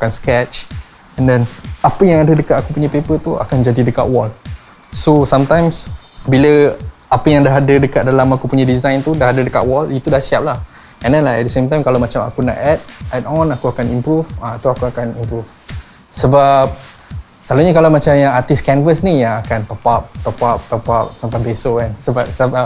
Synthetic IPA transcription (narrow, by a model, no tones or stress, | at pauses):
kuakanskɛt͡ʃ | ɛndɛnapəjãŋadədəkat̪akupuɲãpepət̪ua̰kand͡ʒadidəka̰ʔ̪̚wɔl | sosamt̪ãjmsbilə | apəjaŋdaɦadədəkat̪̚dalamakupuɲãdizãjnt̪udaɦadədəka̰ʔ̪wɔlit̪udahsiap̚lah | ɛ̃ndɛnlaɛ̰dəsemt̪ãjmkalawmat͡ʃama̰kuna̰ʔɛt̚ɛtɔnakuakanimpɾufãt̪uakuakanimpɾuf | səbap̚ | salaɲəkalamat͡ʃamjaŋat̪iskɛnvəsnijaŋakant̪əpap̚t̪əpap̚t̪əpap̚sampajbesoɛnsəbas